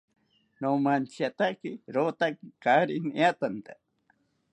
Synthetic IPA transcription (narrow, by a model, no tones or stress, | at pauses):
nomant͡ʃjat̪akiɾot̪akikaɾiniat̪ant̪a